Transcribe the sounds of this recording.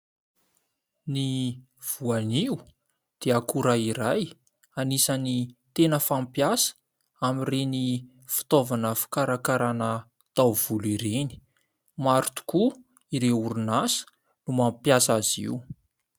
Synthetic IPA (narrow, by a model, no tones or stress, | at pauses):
ni | v̥uaniu | d̪̥eakuɾaiɾaj | anisanit̪enəfampjasə̥ | amireni | fi̥t̪ovanəfi̥kaɾakaɾanə | t̪awv̥uliɾeni̥ | maɾut̪u̥ku | iɾeuɾunasə̥ | numampjasazḭwu